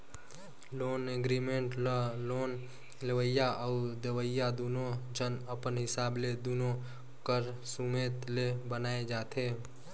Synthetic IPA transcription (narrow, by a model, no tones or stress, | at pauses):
loːneɡɾiːmẽɳʈloːn | ləʋəjaʔəud̪əʋəjad̪uːnõd͡ʒənəpənɦɪsaːbled̪uːnõ | kəɾsumeːt̪lebənaːed͡ʒaːt̪ʰeː